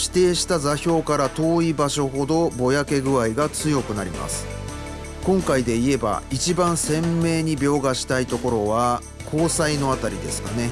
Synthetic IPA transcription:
ɕi̥t̪e̞ːɕi̥t̪azaçʲo̞ːkaɾat̪o̞ːibaɕo̞ɦo̞d̪o̞bo̞jake̞ɡɯ̟aiɡat͡sɨjo̞kɯ̟naɾʲḭma̰sɨ̥ | kõ̞ŋkaid̪e̞ie̞ba̰it͡ɕibãɰ̃sẽ̞mːe̞ːɲ̟ibʲo̞ːɡaɕi̥t̪ait̪o̞ko̞ɾo̞βa | kʰo̞ːsaino̞at̪aɾʲid̪e̞sɨ̥kane̞

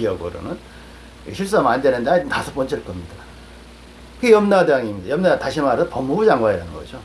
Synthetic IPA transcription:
iʌɡɯ̰ɾo̰nɯn | ɕʰiɭs͈amandenɯndeatasʰop͈ʌnt͡ɕʰɯɭk͈ʌmɲida | ɯɡejʌmnadaŋimɲidajʌmnataɕʰimaɾopʌmːubd͡ʑaŋɡwaiɾanɯnɡʌd͡ʑo

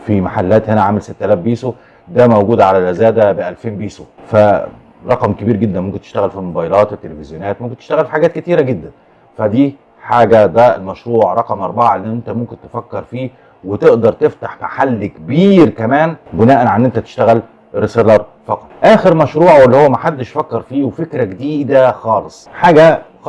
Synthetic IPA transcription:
fimaħalːæːt̪henæʕaːmelset̪ːælæːfbiːso | d̪æːmæwɡuːd̪ʕalælʔæzæːd̪æbeʔælfeːmbiːsofæ | ɾˤɑqɑmkebiːɾɡed̪ːænmomkent̪eʃt̪æɣælfimobɑjelɑːt̪wet̪ːelefezjonæːt̪momkent̪eʃt̪æɣælfiħaɡæːt̪̚ket̪iːɾæɡed̪ːæn | fæd̪iː | ħaːɡæd̪æelmæʃɾuːʕɾˤɑqɑmʔɑɾˤbɑʕaʔelːiʔʔent̪æmomkent̪efækːɑɾˤfiː | wet̪eʔd̪ɑɾˤt̪eft̪aħmaħalːkebiːɾkæmæːnbenæːʔænʕanːʔent̪æt̪e̥ʃt̪æɣæl | ɾeselɑɾˤ | fɑqɑ̥t̪ʔæːxeɾmæʃɾuːʕwelːihowːæmæħad̪ːeʃfækːɑɾˤfiːwefekɾæɡed̪iːd̪æxɑːlesˤħaːɡæ

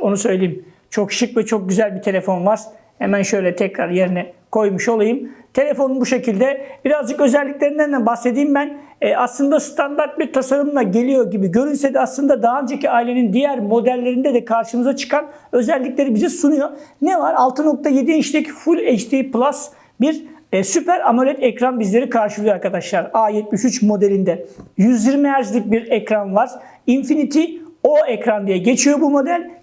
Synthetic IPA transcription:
o̞nusø̞jlʲejim | t͡ʃʰo̞kʃɯkvɛt͡ʃʰo̞k̚ɟyzælʲbit̪ʰe̞lʲe̞fo̞nvaɾ̥ | hemænʃø̞jlʲɛt̪ʰɛcɾaɾje̞ɾinɛkʰo̞jmuʃo̞lˠajɯmt̪ʰe̞lʲe̞fo̞nunbuʃe̞cʰilʲd̪ɛbiɾazd͡ʒɯkø̞zælʲːic̚ʲlʲe̞ɾind̪ænd̪ænbahsed̪iːimbænː | aslˠɯnd̪ast̪ʰand̪aɾt̪̚biɾt̪ʰasaɾɯmlˠaɟe̞lʲijo̞ɾɟibiɟø̞ɾynsɛd̪ɛaslˠɯnd̪ad̪aɦɯnd͡ʒaciaːilʲe̞nind̪ijæɾmo̞d̪ælʲːe̞ɾind̪ɛd̪ɛkʰaɾʃɯmɯzat͡ʃʰɯ̥kʰan | ø̞zɛlʲːiclʲe̞ɾibizɛsunujo̞nɛvaɾalˠt̪ʰɯno̞k̚t̪ʰaje̞d̪iniʃlʲɛcfulʲet͡ʃt̪ʰiplˠas | biɾsypæɾamalʲɛt̪ʰɛcɾanbizlʲe̞ɾikʰaɾʃɯlˠɯjaɾkʰad̪aʃlˠaɾaːjɛt̪̚miʃyt͡ʃmo̞d̪elʲind̪ɛjyzjiɾmiæɾzʲic̚ʲbiɾɛcɾanvaɾ̥ | infinit̪ʰio̞ɛcɾand̪ijɛɟe̞t͡ʃʰijo̞bumo̞d̪ælʲ

